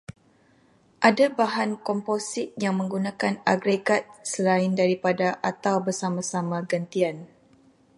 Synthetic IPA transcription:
ʔadabaɦankɔmposɪt̪̚jaŋmə̃ŋɡunãkanaɡɾeɡat̪̚səlaɪndaɾipadaʔat̪awbərsamãsamãɡənt̪ian

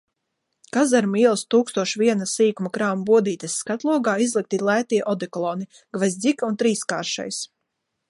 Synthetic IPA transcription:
kazaɾmiɛlˠst̪uːkst̪uɔʃvʲiɛnasiːkumakɾaːmbuɔd̪iːt̪esːkat̪lˠuɔɡaːizlˠik̚t̪ilˠæːt̪iɛʔɔd̪ɛklˠɔni | ɡvazʲd̪zʲikaunt̪ɾiːska̰ːɾʃa̰js

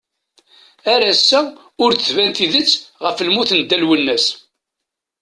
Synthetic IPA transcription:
æɾæsːæ | ʊɾθəθvænt̪iðət͡sːʁəflmuθnd̪ːælwənːæs

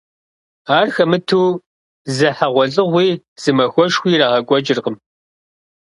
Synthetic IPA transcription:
aːrxɐmɨtʰuː | zɨħaʁʷɔɮʼɨʁʷiː | z̥ɨmɐxʷɔʃxʷiːraːʁɐɡʷʼɔd͡ʒɪrqəm

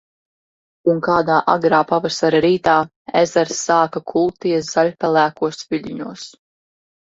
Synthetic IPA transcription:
uŋkaːd̪aːʔaɡɾaːpavasaɾaɾiːt̪aː | ezɛɾsːaːkakʰulˠt̪iszaʎʲpʲɛlˠæːkuɔsviʎʲiɲuɔs

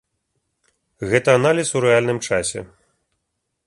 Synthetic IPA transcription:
ɣɛt̪ɐːnalʲiswɾɛalʲnɨmt͡ʂasʲɛ̰

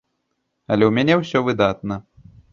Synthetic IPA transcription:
ɐlʲɛwmʲanʲɛwsʲɔvɨd̪at̪̚nɐ

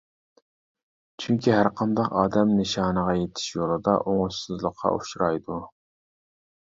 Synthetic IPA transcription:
t͡ʃʰyŋkʲiɦæɾqʰɑnd̪ɑqɑːd̪ɛmnɨʃɑːnəʁɑjet̪ʰɪ̥ʃjolˠɨd̪ɑ̰ʔoŋʊʃsɨzlˠəqʰːɑ̰uʃɾɑjd̪u

